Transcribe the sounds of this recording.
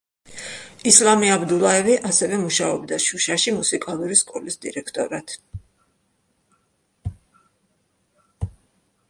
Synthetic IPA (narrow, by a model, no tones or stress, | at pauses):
islˠamiabd̪ulˠaɛviʔasɛvɛmuʃaɔbd̪aʃuʃaʃimusikʼalˠuɾiskʼɔlisd̪ḭɾɛkʰt̪ʼɔ̰ɾat̪ʰ